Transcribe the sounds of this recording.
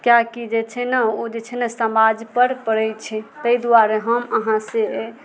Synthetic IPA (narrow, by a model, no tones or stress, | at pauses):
kjakid͡ʒet͡ʃʰɛnəod͡ʒet͡ʃʰɛnəsəmad͡ʒpəɾpəɽɛjt͡ʃʰɛt̪əjd̪uaɾeɦəməɦãse